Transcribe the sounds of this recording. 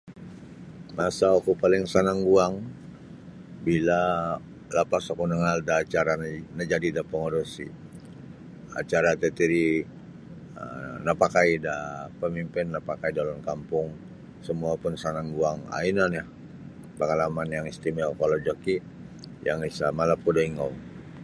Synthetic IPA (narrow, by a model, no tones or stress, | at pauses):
masaakupalɪŋsanaŋɡuaŋ | bila | lapasakunəŋaldaːt͡ʃaɾannəd͡ʒadidapəŋoɾosḭ | a̰t͡ʃaɾat̪ət̪iɾi | ə̰napakaidapəmimpɪnːapakaidalɔnkampʊŋ | səmuapʊnsanaŋɡuaŋa̰inanjah | pəŋalamanjaŋist̪imalkalod͡ʒaki | jaŋisamalap̚kudaiŋaw